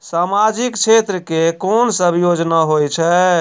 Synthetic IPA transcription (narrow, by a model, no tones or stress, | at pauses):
samad͡ʒikt͡ʃʰet̪ɾəkekonsəbʱjod͡ʒnaɦojt͡ʃʰɛ